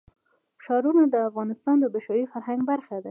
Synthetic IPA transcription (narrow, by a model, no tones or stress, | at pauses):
ʃɑɾunad̪əafɣɑnɪst̪ɑnd̪əbɪʃɑjifaɾɦaŋɡbaɾxad̪a